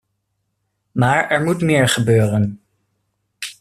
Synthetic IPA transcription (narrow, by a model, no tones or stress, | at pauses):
maːɹɛɹmutmɪːɹχəbøːrən